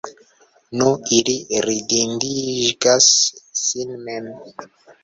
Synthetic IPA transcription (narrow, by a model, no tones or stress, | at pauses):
nuiliɾidindiɡasːinmem